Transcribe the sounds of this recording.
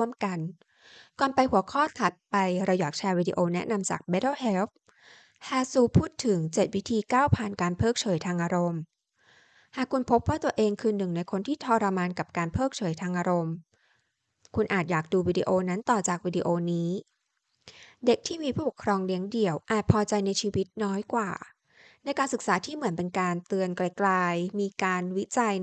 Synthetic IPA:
əmka˧n | kɔː˨˩npa˧jhu˩˦ɐkʰɔː˥˩t̪ʰa˨˩t̪̚pa˧jɾa˧jaː˨˩k̚t͡ɕʰaː˧wiː˧dḭ˧ʔoː˧nɛ˦˥ʔna˧msa̰˨˩k̚be˦˥tɔ˥˩he˦˥lf̚ | haː˧˩suː˧pʰuː˥˩t̪ʰːɯ˨˩˦ŋt͡ɕe˨˩t̪̚wi˦˥t̪ʰiː˧kaː˥˩wpʰaː˨˩nkaː˧npʰɤː˥˩k̚t͡ɕʰɤː˩˦jt̪ʰaː˧ŋʔaː˧ɾo˧m | haː˨˩kʰːu˧npʰo˦˥p̚waː˥˩t̪u˧ɐəʔeː˧ŋkʰɯː˧nɯ˨˩ŋna˧jkʰo˧nt̪ʰiː˥˩t̪ʰɔː˧ɾa˧maː˧nka˨˩p̚kaː˧npʰɤː˥˩k̚t͡ɕʰɤː˩˦jt̪ʰaː˧ŋʔaː˧ɾo˧m | kʰu˧nʔaː˨˩t̪̚jaː˨˩k̚duː˧wiː˧dḭ˧ʔoː˧na˦˥nt̪ɔː˨˩t͡ɕaː˨˩k̚wiː˧diː˧ʔoː˧niː˦˥ | de˨˩k̚t̪ʰiː˥˩miː˧pʰuː˥˩ə˩kʰɾɔː˧ŋli˦˥əŋdi˨˩əwʔaː˨˩t̪̚pʰɔː˧t͡ɕa˧jna˧jt͡ɕʰiː˧wi˦˥t̪̚nɔː˦˥jkwaː˨˩ | na˧jkaː˧nsɯ˨˩k̚saː˩˦t̪ʰiː˥˩mɯ˩˦ənpe˧nkaː˧nt̪ɯ˧ənkla˧jklaː˧jmiː˧kaː˧nwi˦˥t͡ɕa˧j

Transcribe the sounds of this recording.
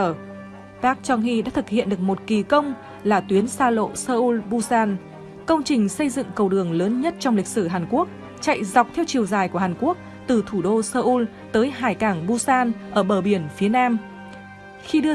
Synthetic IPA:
t̪aː˦˥k̚t͡ɕɔ˧˩nɦḭ˧˨ɗa̰ː˧˥t̪ʰɨ˨˩k̚hḭ˧˨ənɗɨ˨˩ək̚mo˨˩t̚ki˨˩kə˧wŋ͡m | laː˨˩t̪wi˨˦ənsaː˧lo̰˧˨səː˧ʔu˧lɓu˧saː˧n | kə˧wŋ͡mt͡ɕï˨˩ŋ̟sə˧jzɨ̰˧˨ŋkə˧˩wɗɨ˨˩əŋləː˨˦nɲə˦˥t̚t͡ɕɔ˧wŋ͡mli˨˩k̟̚sɨ˧˩ɦaː˨˩nku˦˥ək̚ | t͡ɕa̰˧˨jza˨˩wk͡p̚t̪ʰɛ˧wt͡ɕi˨˩əwzaː˨˩jku˧˩əhaː˨˩ku˦˥ək̚ | t̪ɨ˨˩t̪ʰu˧˩ɗo˧səː˧ʔu˧l | t̪əː˨˦jɦaː˨˩jkaː˧˩ŋɓu˧saː˧nʔəː˧˩ɓəː˧˩ɓi˧˩ənfi˨˦ənaː˧m | xi˧ɗɨ˧

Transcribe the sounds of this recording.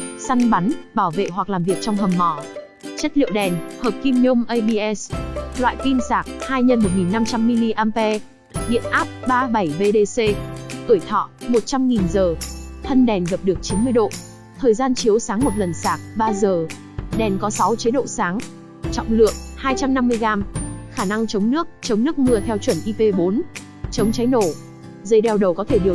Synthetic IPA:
sa˧ŋɓa˨˦nɓaː˧˩wvḛ˧˨ɦwa˨˩k̚laː˨˩mvi˨˩ək̚t͡ɕɔ˧wŋ͡mɦə˨˩mːɔ˧˩ | t͡ɕə˦˥t̚lḭ˧˨əwɗɛ˨˩nhəː˨˩p̚ki˧mɲo˧mʔə˧jɓi˧ʔɛ˦˥slwa̰ː˧˨jki˧msaː˧˩k̚haː˧jɲə˧nmo˨˩t̚ŋi˨˩nːa˧mt͡ɕa˧mːi˧li˧ʔaː˧mpɛ˧ | ɗḭ˧˨ənʔaː˦˥p̚ɓaː˧ɓa˧˩jve˧ɗe˧se˧ʔɨ˧˩jt̪ʰɔ̰˧˨mo˨˩t̚t͡ɕa˧mŋi˨˩nzəː˨˩t̪ʰə˧nɗɛ˨˩nɣə˨˩p̚ɗɨ˨˩ək̚t͡ɕi˨˦nmɨ˧əjɗo̰˧˨ | t̪ʰəː˨˩jzaː˧nt͡ɕi˨˦əwsaː˨˦ŋmo˨˩t̚lə˨˩nsaː˧˩k̚ɓaː˧zəː˨˩ | ɗɛ˨˩nkɔ˨˦sa˨˦wt͡ɕi˨˦ɗo̰˧˨saː˨˦ŋ | t͡ɕɔ̰˧˨wŋ͡mlɨ̰˧˨əŋ̚haː˧jt͡ɕa˧mna˧mːɨ˧əjɣaː˧mxaː˧˩na˧ŋt͡ɕə˨˦wŋ͡mnɨ˦˥ək̚t͡ɕə˨˦wŋ͡mnɨ˦˥ək̚mɨ˧ət̪ʰɛ˧wt͡ɕwə˧˩nʔi˧pe˧ɓo˨˦n | t͡ɕə˨˦wŋ͡mt͡ɕa˨˦jno˧˩ | zə˨˦jɗɛ˧˩wɗə˨˩wkɔ˨˦t̪ʰe˧˩ɗɨ˨˩ə

